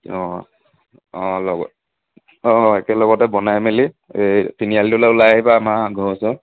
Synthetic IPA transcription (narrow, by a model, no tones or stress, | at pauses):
ɔ | ɔ̃lɔɡɔ̰ | ɔ̃ɛkɛlɔɡɔtɛbɔnajmeli | ejtinialitulaulajaibamaɡʱɔsɔ